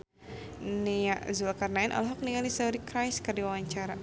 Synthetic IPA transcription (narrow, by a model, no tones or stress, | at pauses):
niaʔzulakarnaɛnʔa̰lɦɔk̚niŋalisaɾikɾajskardiwawaɲt͡ʃaɾa